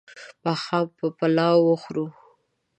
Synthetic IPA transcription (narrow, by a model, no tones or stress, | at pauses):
paxɑpəpalɑwwəxɾu